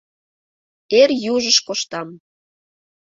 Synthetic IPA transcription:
erjuʒəʃkoʃt̪ɑm

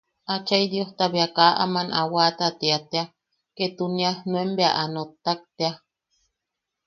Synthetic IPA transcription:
at͡ʃaid̪joht̪aβjakaʔa̰manʔawat̪at̪eat̪ea | ket̪unjahnuembeaʔanot̪ːak̚t̪ea

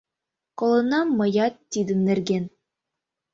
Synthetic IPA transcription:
kŏlˠɤ̆nɑmːɤ̆jɑt̪ːid̪ɘ̆mnɘ̆rɡʲen

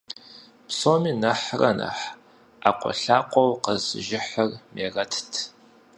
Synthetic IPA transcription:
psoːmiːnɐħrɐnɐ̰ħ | aːqʷʼɔ̰ɬaːqʷʼɔwqəzɨ̰ʒɪħərmʔeːrɐtʰtʰ

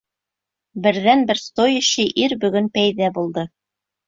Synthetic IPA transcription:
bɘ̆ɾðænbɘɾst̪ojɘ̆ɕɘʔiɾbɵ̆ɡɵnpæjðæbulˠd̪ɤ

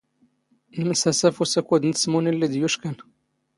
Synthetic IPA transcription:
nməsæsæfusækud̪ənt̪smunilːid̪juʃkən

